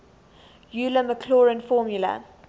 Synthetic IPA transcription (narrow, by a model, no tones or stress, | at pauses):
juːləməkʰlɔːɹɪ̃nfɔːmjulə̰